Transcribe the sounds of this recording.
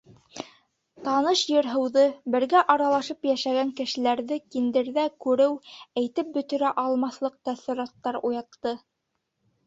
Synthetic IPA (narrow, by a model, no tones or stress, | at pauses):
t̪ɑnɤʃjɤ̆ɾɦɤ̆wðɤbɘ̆ɾɡæʔɑɾɑlˠɑʃɤpjæʃæɡæŋkɘ̆ʃɘ̆læɾðɘkind̪ɘ̆ɾðækʉɾɘwæjt̪ɘp̚bɵ̆t̪ɵ̆ɾæʔɑlˠmɑθlˠɤq̚t̪æθɘ̆ɾɑt̪ːɑɾujɑt̪ːɤ